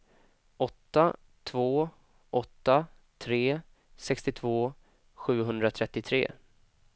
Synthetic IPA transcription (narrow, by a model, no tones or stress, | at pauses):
ʔɔt̪ːa | t̪ʰvoː | ʔɔt̪ːa | t̪ʰɾeː | sɛkst̪ɪt̪ʰvoː | ɧʉ̟ːɦɵnd̪ɾat̪ʰɾɛt̪ːɪt̪ʰɾḛː